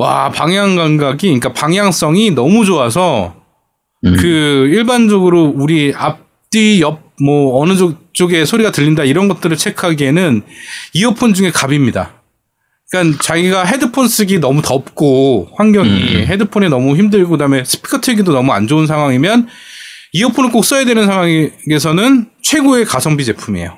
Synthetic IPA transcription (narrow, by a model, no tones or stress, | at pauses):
wa̰paŋjaŋɡaŋɡaɡiɲik͈apaŋjaŋs͈ʌŋinʌmud͡ʑoas̬ʰʌ | kɯiɭband͡ʑʌɡɯɾouɾiap̚ | t͈ijʌb̚mʌːnɯd͡ʑok̚t͡ɕ͈oɡe̞sʰoɾiɡatɯʎːindaiɾʌnɡʌt̚t͈ɯɾɯɭt͡ɕʰe̞kʰaɡienɯniʌpʰond͡ʑuŋe̞kabimɲida̰ | ik͈ant͡ɕaɡiɡaɦe̞dɯpʰons͈ɯɡinʌmutʌp̚k͈oɸwaŋɡjʌŋḭɦedɯpʰonenʌmuçimdɯɭɡokɯdame̞sʰɯ̥pʰi̥kʰatʰeɡidonʌmuand͡ʑounsʰaŋɦwaŋimjʌn | iʌpʰonɯɭk͈ok̚s͈ʌjedwenɯnsʰaŋɦwaŋɡe̞sʰʌnɯnt͡ɕʰwe̞ɡoe̞kasʰʌŋbid͡ʑe̞pʰumḛjo